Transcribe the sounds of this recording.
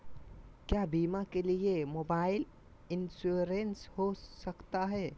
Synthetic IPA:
kjaːbiːmakeliemoːbaːɪl | ɪnsuɾenshosəkt̪aɦɛː

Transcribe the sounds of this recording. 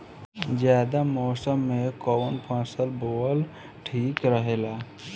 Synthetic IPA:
d͡ʒjaːd̪amɔːsəmːekoːwənpʰə̃ːsəlboːl | ʈʰiːkɾəɦeːlaː

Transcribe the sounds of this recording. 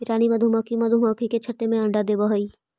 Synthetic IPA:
ɪɾaːnimɐd̪ʱumaːkʰimɐd̪ʱumaːkʰiket͡ʃʰɐʈ̪ːemẽɐ̃ɳɖad̪eːbɐɦoiː

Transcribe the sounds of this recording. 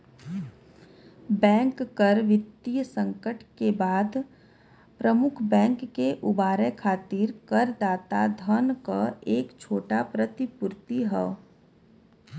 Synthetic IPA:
bɛ̃ːŋkːəɾʋɪt̪ːisə̃ŋkəʈkebaːd̪ | pɾəmʊkʰbɛ̃ːŋkːeʔʊbaːɾekʰaːt̪ɪɾkəɾd̪aːt̪ad̪ʱənkaeːkt͡ʃʰoːʈapɾət̪ɪpʊɾt̪iɦɛː

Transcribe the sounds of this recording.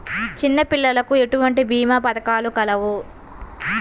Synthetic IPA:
t͡ʃinːɐpiɭːɐlɐkue̞ʈuʋɐɳʈibiːmapɐd̪ɐkaːlukɐlɐʋu

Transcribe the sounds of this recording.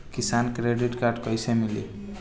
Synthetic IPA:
kisankɾeɖiʈkarɖkʌjsemilḛ

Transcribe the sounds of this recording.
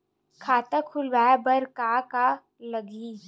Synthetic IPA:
kʰaːt̪əkʰʊlʋaːbəɾkaka | ləɡi

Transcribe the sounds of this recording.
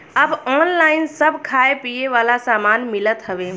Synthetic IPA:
əbɔːnlaːɪinsəbʱkʰaepijeʋaːlasaːmaːnmilət̪ɦəʋe

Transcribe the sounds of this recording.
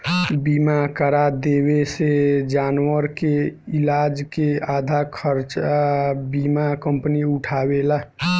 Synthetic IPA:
bimakəɾad̪ewesed͡ʒanwəɾkeilad͡ʒkead̪ʱakʰəɾt͡ʃabimakəmpəniʊʈʰabela

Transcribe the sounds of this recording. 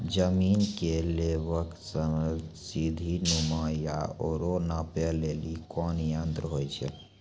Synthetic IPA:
d͡ʒəminkeleβəksəmsid̪ʱinuməjaoɾonapelelikɔnjənd̪ɾəɦojt͡ʃʰɛ̰

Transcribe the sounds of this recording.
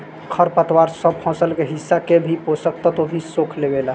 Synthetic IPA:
kʰəɾpət̪ʰwaɾsəb̚pʰɔ̃səlkeɦisːakebʱiposək̚t̪at̪obʱisokʰlebela

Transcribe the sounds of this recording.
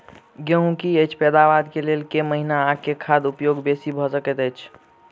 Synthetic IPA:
ɡjə̃ɦũkiət͡ʃʰpɛd̪aʋad̪kelelkeməɦinaːkːekʰad̪upjoɡbesibʱɔsəkɛt̪ɛt͡ʃʰ

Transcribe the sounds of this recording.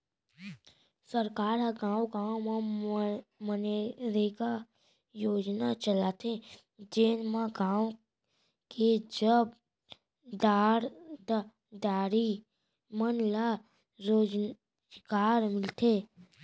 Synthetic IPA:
səɾkaːɾaɡãːwɡaːmã | məneɾeka | joːd͡ʒnat͡ʃəlaːt̪e | d͡ʒeːnmãɡãːw | ked͡ʒəb | d̪aːɽt̪a | d̪aːɾi | mənla | ɾod͡ʒ | ɡaːɾmɪlt̪ʰe

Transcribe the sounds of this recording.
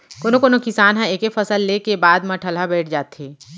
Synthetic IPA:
konokonokɪsaːnɦãeːkefəsəlːekebaːd̪mɐʈʰəlɦabɛːʈʰd͡ʒaːt̪ɦeː

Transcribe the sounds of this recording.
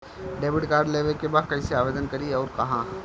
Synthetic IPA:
ɖeːbɪʈkaːɾɖleːʋəlkebaːd̪̚kɐĩseaːʋeːd̪ənkɐɾiɔːɾkɐɦãː

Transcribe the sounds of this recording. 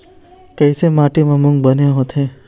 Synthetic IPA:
kɛːsemaːʈimãmʊ̃ŋɡ̚bəneɦot̪ʰɦẽː

